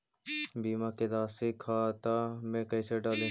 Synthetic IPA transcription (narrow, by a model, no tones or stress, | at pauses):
biːmaked̪aːsikʰaːt̪aːmẽkɐiseɖaːle